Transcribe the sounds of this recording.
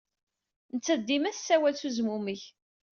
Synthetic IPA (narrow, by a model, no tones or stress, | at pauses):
nət͡sːæd̪ːimæθsːæwælθuzmuməç